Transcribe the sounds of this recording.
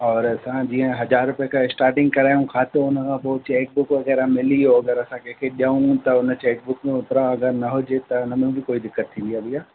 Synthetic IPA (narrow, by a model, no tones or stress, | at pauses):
ɔːɾɐsãd͡ʑiːə̃ɦɐzaːɾɾʊpijakʰãɪsʈaːɾʈɪ̃ŋɡkɐɾaːjũkʰaːt̪oʊnə̆kʰãpoːt͡ɕeːk̚bʊkʋɐɣɛːɾamɪlioɐɡəɾɐsãkẽːkʰeɗijaːũt̪ɐʊnət͡ɕeːk̚bʊkmẽʊt̪ɾãɐɡəɾnɐɦʊd͡ʒet̪ɐʊnəmẽbʱɪkoːid̪ɪkːət̪ʰːĩːnd̪ijaːbʱijaː